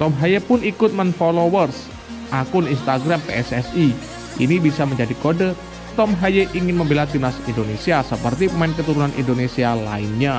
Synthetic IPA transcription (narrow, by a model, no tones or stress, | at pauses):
t̪ɔmɦajepʊnikʊt̪̚mənfolowərs | ʔakʊninst̪aɡɾampeɛsɛsi | ʔḭnibisaməɲd͡ʒadikodə | t̪ɔmɦajeʔiŋɪnməmbelat̪inasindonesiasəpərt̪imankət̪uɾunanʔḭndonesiala̰inɲa